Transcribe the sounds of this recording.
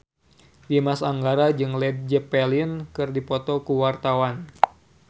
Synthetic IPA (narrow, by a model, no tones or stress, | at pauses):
dimasaŋɡaɾad͡ʒɨŋlɛd̪̚d͡ʒəpɛlɪnkɨrdipɔt̪ɔkuwart̪awan